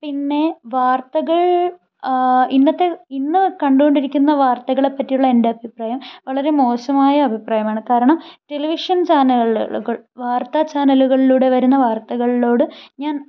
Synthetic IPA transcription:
pinːe̞ʋaːrt̪ɐɣɐɭ | inːɐt̪ːe̞inːɨkɐɳɖuko̞ɳɖiɾikʲːunːɐʋaːrt̪ɐɣɐɭe̞pːɐtːijuɭːɐende̞ɐbʱipraːjɐmʋɐɭɐɾe̞mo̞ːsɐmaːjɐɐbʱipraːjɐmaːɳɨkaːɾɐɳɐmʈe̞liʋiʂɐnt͡ɕaːnɐɭɭuɣɐɭʋaːrt̪at͡ɕaːnɐluɣɐɭiluːɽe̞ʋɐɾunːɐʋaːrt̪ɐɣɐɭilo̞ːɽɨɲaːn

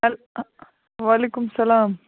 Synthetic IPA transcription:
ɐl | ʋaːleːkʊmsɐlaːm

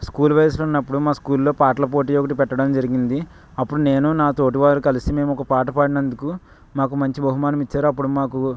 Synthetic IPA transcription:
skuːlʋɐjɐs̬lunːɐpːuɽumaːskuːlːo̞ːpaːʈlɐpo̞ːʈ̬iːjokɐʈ̬ipɛʈːɐɽɐmd͡ʒɐɾiɡind̪i | ɐpːuɽune̞ːnunaːt̪o̞ːʈ̬iʋaːɾukɐlisime̞ːmuɔkɐpaːʈɐpaːɽinɐnd̪uku | maːkumɐɲt͡ʃibʱɐɦumaːnɐmit͡ʃːaːɾuɐp̬ːuɽumaːku

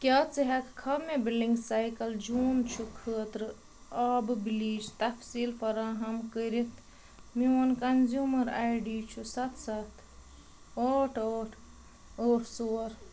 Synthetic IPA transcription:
kʲjaːt͡sɐɦɐkkʰɐmebilɖiŋɡsajkɐld͡ʒuːmt͡ʃʰukʰəːt̪ɾɨ | ɐbbiliːd͡ʒt̪ɐfsiːlfɐɾaːɦɐmkəɾit̪ʰ | mionkɐnzjuːmɐɾaːjɖiːt͡ʃʰusat̪ʰsat̪ʰ | oːʈʰoʈʰ | oːʈʰsoːɾ

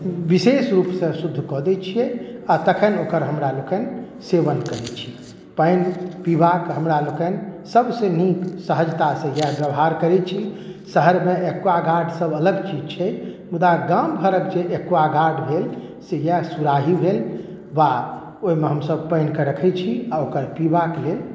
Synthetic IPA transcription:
bisesɾupsə̃sud̪ʱːkɔd̪ɛt͡ʃʰijɛat̪əkʰənokəɾɦəmɾalokən | seʋənkəɾɛt͡ʃʰi̥ | pəɪnpibakɦəmɾalokənsəbseniksəɦəd͡ʒt̪asẽjabjəʋɦaɾkəɾɛt͡ʃʰisəɦəɾmeʔekaɡʱaɖsəbələɡt͡ʃid͡ʒt͡ʃʰɛmud̪aɡambʱəɾək̚d͡ʒeʔekʋaɡʱaɖbʱel | sejɛsuɾaɦibʱel | ʋa | oimeɦəmsəb̚pəɪnkeɾəkʰɛt͡ʃʰiaokəɾpibaklel

